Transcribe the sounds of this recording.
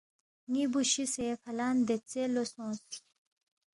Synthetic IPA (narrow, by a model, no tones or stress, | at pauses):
ŋibuɕisefɐlaːnd̪et͡selosõːs